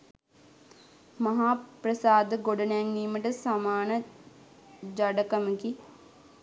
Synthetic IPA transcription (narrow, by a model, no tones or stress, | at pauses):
mɐɦaːprɐsaːd̪ɡoɖɐnaŋniːməʈəsamaːnə | d͡ʒɐɖɐkɐməki